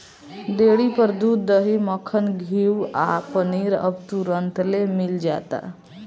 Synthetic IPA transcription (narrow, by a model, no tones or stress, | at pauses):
d̪eɽipəɾd̪ud̪əɦiməkʰənɡʱiwapəniɾə̰bt̪uɾənt̪lemild͡ʒa̰t̪a̰